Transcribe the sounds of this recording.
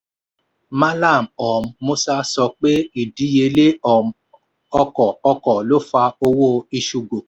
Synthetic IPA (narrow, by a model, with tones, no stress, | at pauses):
ma˦la˦˨m̩˨ɔ˨m̩˦mo˦sa˦sɔ˧k͡pe˦i˨di˦je˧˦le˦ɔ˨m̩˦ | ɔ˦kɔ˨ɔ˧kɔ˨lo˦fa˧o˧wo˦˨i˧ʃu˧ɡo˨